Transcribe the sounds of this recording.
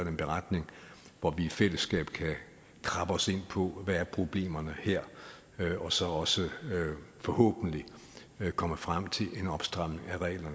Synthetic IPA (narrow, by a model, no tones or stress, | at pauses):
denb̥e̝ʁad̥ne̝ŋʋɒʋiːfel̰əsɡ̥ɛ̰ːb̥kʰæ | kʰʁɑ̈b̥əɒ̽se̝n̰pʰɒ̽ʋææɐpʰʁo̝b̥le̝̰ːmɐnəheɐ̰ | ɒ̽sɒ̽ɒ̽sə | fɒ̽hɔ̰ːb̥n̩li | kʰɒ̽məfʁam̰t͡sʰe̝lʔe̝nɒ̽b̥sd̥ʁɑ̈m̰ne̝ŋæʁɛ̰ːlɐnə